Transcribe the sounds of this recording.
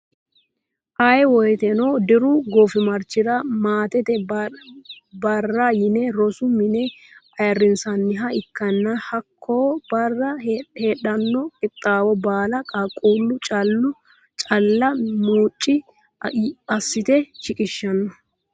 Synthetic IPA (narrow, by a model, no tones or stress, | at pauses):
ʔajɛwɔjɛt̪ɛnoːd̪ɪɾʊɡoːfɪmɐɾt͡ʃːɪɾɐmaːt̪ɛt̪ɛ | bɐrːɐjɪnɛɾɔsʊmɪnɛɐjɐrːɪnsɐnːɪɦɐɪkːɐnːɐhɐkːoːbɐrːɐheːɗɐnːɔkʼɪt̪ʼːaːwɔbaːlɐkʼɐkʼuːlːʊt͡ʃʼɐlːʊ | t͡ʃʼɐlːɐmuːt͡ʃʼːɪ | ɐsːɪt̪ɛt͡ʃɪkʼɪʃːɐnːɔ